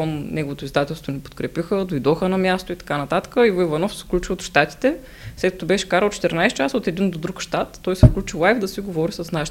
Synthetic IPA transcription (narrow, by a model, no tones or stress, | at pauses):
ɔnnɛɡovot̪oizd̪at̪ɛlˠst̪vonipo̥t̪kɾɛpixəd̪ojd̪ɔxənɐmʲjast̪oit̪ɐ̥kanɐt̪at̪ə̥kəivoivɐnɔfsɛ̥fklʲut͡ʃiot̪ʃt̪at̪i̥t̪ɛ | slɛt̪kət̪obɛʃɛ̥kaɾəlˠt̪t͡ʃɛ̥t̪ɛɾnajst͡ʃasot̪ɛd̪ind̪od̪ɾukʃt̪at̪ːɔjsɛfklʲut͡ʃilˠajvd̪ɐsiɡovɔɾisɐsnaʃi̥t̪